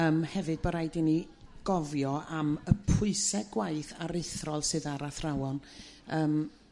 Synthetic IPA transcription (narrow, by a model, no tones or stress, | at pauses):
əːmhɛvɨd̚bɔɾajdini | ɡ̥ɔvjɔʔaməpʰʊɨsɛɡwaɨθaɾɪθrɔlˠsɨðaɾaθrawɔn | əːm